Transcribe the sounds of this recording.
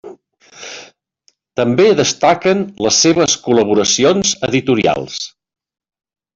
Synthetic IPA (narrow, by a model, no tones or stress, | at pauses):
t̪əmbeðəst̪akənləsːeβəskuləβ̞uɾəsionzəðit̪uɾia̰lˠs